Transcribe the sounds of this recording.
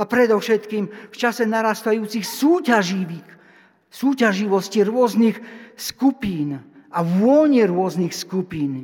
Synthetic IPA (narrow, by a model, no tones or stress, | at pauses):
apɾɛd̪ɔfʃɛt̪kiːmft͡ʃasɛnaɾast̪ajuːt͡sixsuːcaʒiʋi | suːcaʒiʋɔsciɾʊɔznixskupiːnaʋʊɔɲɛɾʊɔznixskupiːn